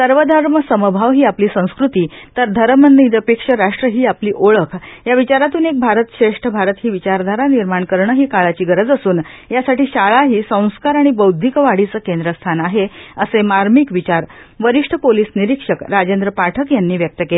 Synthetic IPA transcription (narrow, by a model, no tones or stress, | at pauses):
səɾʋəd̪ʱəɾməsəməbʱaʋɦiːapliːsə̃w̃skɾut̪iːt̪əɾd̪ʱəɾəmənːiid̪əpekʂəɾaʂʈɾəɦiːapliːʔoɭəkʰjaʋit͡ɕaɾat̪uːnek̚bʱaɾət̪ɕeʂʈʰəbʱaɾət̪ɦiːʋit͡ɕaɾd̪ʱaɾaniɾmaɳkəɾɳəɦiːkaɭat͡ɕiːɡəɾəd͡zəsuːnjasaʈiːɕaɭaɦiːsə̃w̃skaɾaɽ̃ibəwd̪ʱːikəʋaɽ̤it͡səːkend̪ɾəst̪ʰanaɦeəsemaɾmikʋit͡ɕaɾʋəɾiʂʈʰəpoliːsniɾikʂəkɾad͡ʑend̪ɾəpaʈʰəkjanːiːʋjək̚t̪əkele